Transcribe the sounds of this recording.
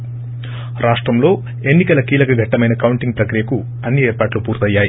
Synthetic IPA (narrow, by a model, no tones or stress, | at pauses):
ɾaːʂʈɾɐmlo̞ː | e̞nːikɐlɐkiːlɐkɐɡʱɐʈːɐmɐjnɐkɐwuɳʈiŋɡpɾɐkɾijɐku | ɐnːieːɾpaːʈlupuːɾt̪ɐjːaːji